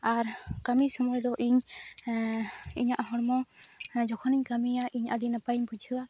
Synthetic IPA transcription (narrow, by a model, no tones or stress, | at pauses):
aɾkamisɔmɔjd̪ɔʔiɲ | ḭɲaʔhɔɽmɔd͡ʒɔkʰɔniɲkamijaʔiɲaɖinapaɲbʱud͡ʒʱɯa